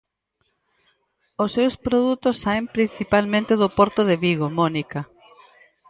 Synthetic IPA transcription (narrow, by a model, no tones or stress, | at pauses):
ʊsːewspɾoðut̪ʊsːaempɾin̟θipalmẽnt̪ɪðʊpɔɾt̪ʊðeβiɣomɔnikɐ